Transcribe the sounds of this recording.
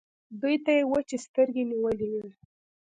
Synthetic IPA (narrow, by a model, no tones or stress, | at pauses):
d̪ujt̪ajewət͡ʃest̪əɾɡeniwəlewii